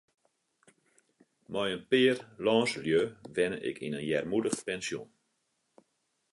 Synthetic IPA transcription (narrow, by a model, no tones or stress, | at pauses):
mɔjənpɪːərlɔːnsəljøʋɛnəʔɪ̰kʰinənjɛrmudəxpɛnsjon